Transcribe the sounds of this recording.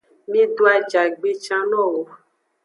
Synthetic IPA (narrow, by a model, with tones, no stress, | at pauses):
mĩ˦ɖo˦a˨d͡ʒa˨ɡ͡be˦t͡ʃã˦nɔ̃˦wo˨